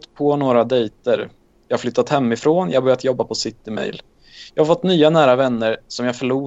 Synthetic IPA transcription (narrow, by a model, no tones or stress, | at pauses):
t̪pʰɔnoːɾad̪ɛjt̪əɾ | jɑːhaɾflʏt̪ːat̪hɛmːɪfɾoːnjɑ̰hbœɾjat̪jɔbːapʰɔsɪt̪ːɪmɛ̰jl | jɑːhaɾfɔt̪ːnyːanæːɾavɛnːəɾsɔmjaːfœɭuː